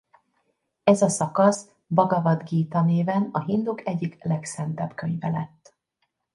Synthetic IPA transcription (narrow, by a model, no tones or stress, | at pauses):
ɛzɒsɒkɒs | bɒɡɒvɒd̪ɡiːt̪ɒneːvɛnɒɦind̪ukɛɟːiklɛksɛnt̪ɛbkø̞ɲvɛlɛt̪ː